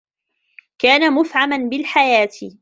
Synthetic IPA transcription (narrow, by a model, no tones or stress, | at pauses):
kaːnamʊfʕamanbɪlħajaːt̪ɪ